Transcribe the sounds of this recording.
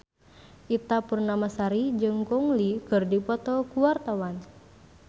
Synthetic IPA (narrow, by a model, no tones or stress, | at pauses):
ʔit̪apurnamasaɾid͡ʒɨŋkɔŋlikɨrdipɔt̪ɔkuwart̪awan